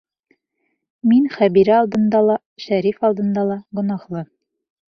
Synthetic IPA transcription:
minχæβiɾɘɑlˠd̪ɤ̆nd̪ɑlˠɑ | ʃæɾifɑlˠd̪ɤ̆nd̪ɑlˠɑɡŏnɑχlˠɤ

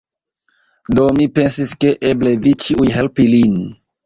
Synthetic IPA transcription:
domipensiskeʔeblevit͡ʃiʔujɦelpilin

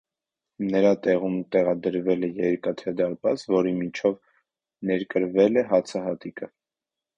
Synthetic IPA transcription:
nəɾɑt̪ɛʁumt̪ɛʁɑd̪əɾvɛlɛjɛɾkɑt̪ʰɛd̪ɑɾbɑt͡svɔɾimit͡ʃʰɔv | nɛɾkəɾvɛlɛɦɑt͡sʰəɦɑt̪ikʰə

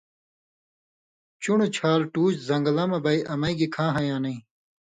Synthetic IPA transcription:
t͡ɕuɳut͡ɕʰaːlʈuːt͡ɕzɐŋɡɐlɐmɐbɐiʔɐmɐiɡikʰãːɦɐjãːnɐĩ

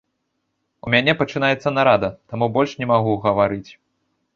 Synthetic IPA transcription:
umʲanʲɛpɐt͡ʂɨn̪ajɛt̪sːɐnaɾad̪ɐt̪amubɔlʲʂnʲɛmaɣuɣɐvaɾɨt͡sʲ

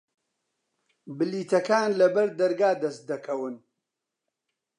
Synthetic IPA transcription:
bɨliːt̪ʰɐkaːnlɐbɐɾd̪ɐɾɡaːd̪ɐst̪̚d̪ɐkʰɐwɨn

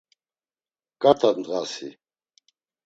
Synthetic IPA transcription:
kʼat̪ʰad̪nd̪ʁasḭ

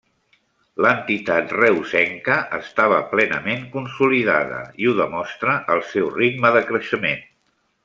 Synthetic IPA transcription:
lənt̪it̪at̪rɛwsɛŋkəʔəst̪aβ̞əplɛnə̰meŋkunsuliða̰ðə̰iuðəmɔst̪ɾəʔəlˠsɛwriɡ̪məðəkɾəʃəmen

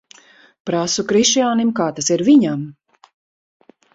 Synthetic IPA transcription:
pɾasukɾiʃjaːnimkaːt̪asiɾviɲam

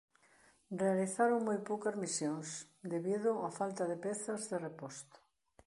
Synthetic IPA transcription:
realiθaɾoŋmojpowkɐzmisjoŋs | d̪eβiðʊafalt̪aðepɛθɐzðerepɔst̪ʊ̥

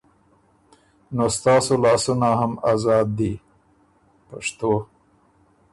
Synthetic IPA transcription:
nost̪ɑːsolɑːsunaɦamazɑːd̪ːi | paʂt̪o

